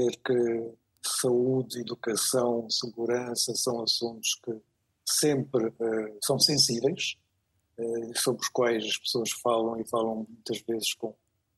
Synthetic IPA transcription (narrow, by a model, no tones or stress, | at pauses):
eɾkɨ | sɐuðiðukɐsɐ̃w̃sɨɣuɾɐ̃sɐsɐ̃w̃ɐsũnt̪u̥ʃkɨ | sẽmpɾɛsɐ̃w̃sẽsivɛjʃ | ɛisoβɾuʃkwajʃɐʃpsoɐʃfalˠɐ̃w̃ifalˠɐ̃w̃mũj̃t̪ɐʒvezɨʃkõ